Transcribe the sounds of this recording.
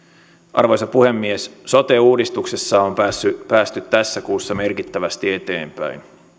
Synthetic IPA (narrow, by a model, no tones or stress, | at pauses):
ʔɑ̰rʋo̞jsɑpuhe̞mːiesso̞t̪euːdist̪ukse̞sːɑompsypæːst̪yt̪tæsːækuːsːɑme̞rkit̪ːæʋæst̪ie̞t̪e̞̰ːmpæ̰in